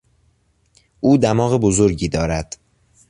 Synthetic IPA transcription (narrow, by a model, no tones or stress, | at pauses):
ʔuːd̪æmɒːɣebozoɾɟiːd̪ɒːɾæd̪̥